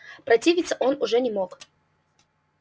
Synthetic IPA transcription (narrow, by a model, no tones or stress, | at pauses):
pɾɐtʲivʲɪt̪sːə̥ʔonʊʐɛnʲɪmok